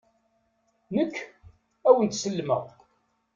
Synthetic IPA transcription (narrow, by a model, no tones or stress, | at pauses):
nəkː | æwənt̪səlːmə̰ʁ